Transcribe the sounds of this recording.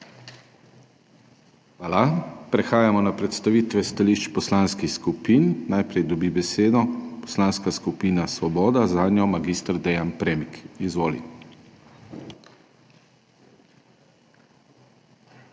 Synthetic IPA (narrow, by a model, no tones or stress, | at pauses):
xʋaːlapɾɛxaːjamɔnapɾɛt̪st̪aʋiːt̪ʋɛst̪aliːʃt͡ʃpɔslaːnskixskupiːnːajpɾɛjd̪ɔbibɛseːd̪ɔpɔ̥slaːnskaskupiːnasʋɔbɔːd̪azad̪njɔmaɡist̪ɾd̪ɛjanpɾɛmikizʋoːlḭ